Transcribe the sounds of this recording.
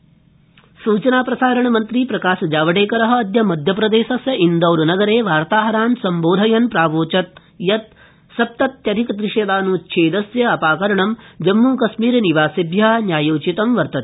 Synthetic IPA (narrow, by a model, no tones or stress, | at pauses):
suːt͡ʃɐnaːpɾɐsaːɾɐɳɐmɐnt̪ɾipɾɐkaːʃɐd͡ʒaːʋɐʈeːkɐɾɐɦɐ̆ːd̪ʱjɐmɐd̪ʱjɐpɾɐd̪eːʃɐsjɐind̪ɐwɾunɐɡɐɾeːʋaːɾt̪aːɦɐɾaːnsɐmboːd̪ʱɐjɐnpɾaːʋoːt͡ʃɐt̪̚ | jɐt̪̚ | sɐp̚t̪ɐt̪jɐd̪ʱikɐd̪ɾiʂed̪aːnuːtːʃʰeːd̪ɐsjɐɐpaːkɐɾɐɳɐmd͡ʒɐmːuːkɐʃmiːɾɐniʋaːsɐbjɐnjaːjoːt͡ʃit̪ɐmʋɐɾt̪ɐt̪